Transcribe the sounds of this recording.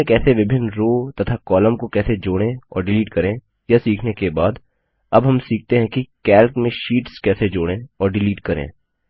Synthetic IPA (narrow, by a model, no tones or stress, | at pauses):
ẽkɛːseʋɪbʱɪnɾoːt̪ɐt̪ʰakɔːləmkokɛːsed͡ʒoːɽ̃ẽɔ̰ːɾɖɪliːʈkɐɾẽ | jasiːkʰnekebaːd̪ | ɐbɦɐmsiːk̚ʰt̪eɦɛ̃kikɛːlkmẽʃiːʈskɛːsed͡ʒoːɽ̃ẽɔːɾɖɪliːʈkɐɾḛ̃ː